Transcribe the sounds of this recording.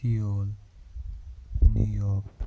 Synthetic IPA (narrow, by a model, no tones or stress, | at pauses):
ioːl | njṵjɔːk